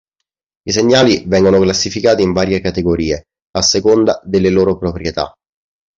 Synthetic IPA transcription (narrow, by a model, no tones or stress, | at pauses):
iseɲːaːlivɛŋɡonoklasːifikaːt̪iːɱvaːɾjekat̪eɡoɾiːe | asːekond̪ad̪elːeloːɾopɾopɾjet̪a̰